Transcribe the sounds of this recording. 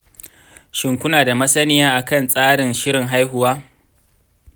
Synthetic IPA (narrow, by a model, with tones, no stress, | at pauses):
ʃɪ˨ŋkʷʊ˦naː˨da˨mɐ˦sɐ˦nɪ˦jaː˦ʔa˨kɐ˦˨nsʼaː˦ɽɪ˨nʃɪ˦ɽɪ˨ŋɦa˦jɦʊ˨waː˦